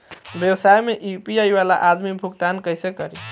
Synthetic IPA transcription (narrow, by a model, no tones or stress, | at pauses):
bewsajmeʔipiajbala̰ʔad̪mibʱukt̪ankəjsekəɾi